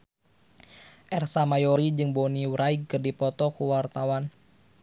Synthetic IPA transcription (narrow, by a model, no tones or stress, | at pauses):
ʔɛrsamajɔɾid͡ʒɨŋboniwɾaiɡ̚kɨrdipɔt̪ɔkuwart̪awan